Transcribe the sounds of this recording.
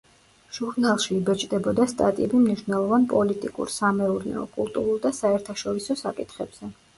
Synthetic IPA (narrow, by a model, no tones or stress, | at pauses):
ʒ̥uɾnalˠʃiːbɛt͡ʃʼd̪ɛbɔd̪ast̪ʼa̰t̪ʼiɛbimniʃvnɛlˠɔvanpʼɔlit̪ʼikʼṵɾsamɛuɾnɛ̰ɔ̰kʼulˠt̪ʼuɾulˠd̪asaɛɾt̪ʰaʃɔɾisɔsakʼit̪ʰχɛb̥z̥ɛ